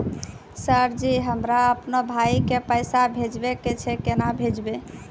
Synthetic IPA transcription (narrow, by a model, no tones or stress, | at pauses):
səɾd͡ʒiɦəmɾaəpnobʱaikepəjsabʱed͡ʒbeket͡ʃʰɛkenabʱed͡ʒbe